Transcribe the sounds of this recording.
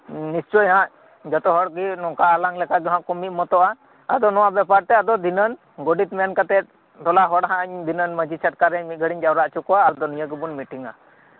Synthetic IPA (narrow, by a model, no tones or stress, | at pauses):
nist͡ʃɔjɦãʔ | d͡ʒɔt̪ɔɦɔɽɡinɔkaʔalaŋlɛkaɡɛɦãʔkɔmiʔ̪mɔt̪ɔʔa | ad̪ɔnɔwaʔbɛpaɾt̪ɛad̪ɔd̪inən | ɡɔɖit̪mɛankat̪ɛt̪̚ | d̪ɔlaɦɔɽɦãɲd̪inənməd͡ʒisʰaʈkaɾɛmit̪̚ɡʱəɽiɲd͡ʒawɾaʔt͡ʃukɔaːɾd̪ɔnijəɡɛbunmiʈiŋa̰